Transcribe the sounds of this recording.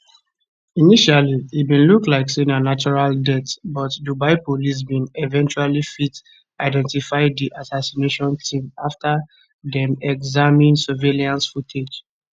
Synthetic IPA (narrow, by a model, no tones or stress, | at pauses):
iniʃaliibĩnluklaɪksĩnanat͡ʃɔɹaldɛtbɔtdubaɪpolis̬bĩnɛvɛ̃nt͡ʃualifit | aɪdɛ̃ntifaɪdiʔasasineʃɔ̃ntʰĩmafta | dɛ̃mɛɡzamĩnsɛveliãnsfutʰed͡ʒ